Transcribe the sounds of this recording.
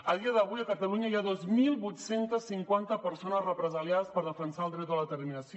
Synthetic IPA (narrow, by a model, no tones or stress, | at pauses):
əðiəðəβujəkət̪əluɲəiaðozmilˠβut̪sent̪əsːiŋkwant̪əpəɾsonəzrəpɾəzəljaðəspəɾðəfənsaəlˠd̪ɾɛt̪̚əlðət̪əɾminəsi